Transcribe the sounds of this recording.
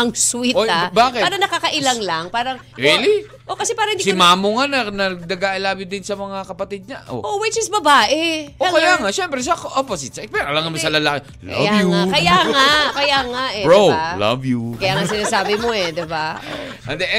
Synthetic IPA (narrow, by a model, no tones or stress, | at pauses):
ɐŋswiobaːkɪtaːɾɐnɐkakɐʔɪlaŋlɐŋpaːɾɐŋ | ɾili | ʔokɐsɛpaːɾɐhɪnd̪isɪmaːmoŋanɐnɐnɐɡaʔɐlaːbɪd̪ɪnsɐmɐŋakɐpɐt̪id̪̚ɲɐʔo̰ʔowɪt͡ʃɪsbɐbaːʔɛokɐjaːŋaʔʃɛmpɾɛʃakʔopɐsɪt̪sɐpɛɾʔɐlaŋɐmɐsɐlɐlaːkɪ | lɐ̰jajuŋakɐjaŋakɐjaːŋaʔɛɹolɐ̰vjukɐjaːŋasɪnaːsaːbɪmoɛd̪ɛbaʔo̰ | ʔɐnd̪ɛʔɛ